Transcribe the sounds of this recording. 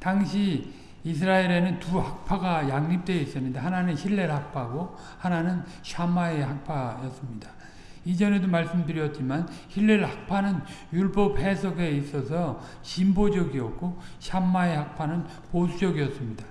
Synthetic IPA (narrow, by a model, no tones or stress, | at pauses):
taŋɕʰiː | s̬ʰɯɾaeɾe̞nɯntuhak̚pʰaɡajaŋɲip̚t͈weis͈ɯmɲidaɦananɯnçʰiɭːe̞ɾhak̚pʰaɡo | hananɯn | ɕʰamaeɦak̚pʰajʌs͈ɯmɲida | id͡ʑʌne̞domaɭs͈ɯmdɯɾiʌt̚t͡ɕ͈imançiɭːeɾhak̚pʰanɯnjuɭp͈ʌp̚he̞sʰʌɡe̞is͈ʌsʰʌ | ɕimbod͡ʑʌɡiʌk̚k͈oɕʰamaehak̚pʰanɯn | posʰud͡ʑʌɡiʌs͈ɯmɲidḁ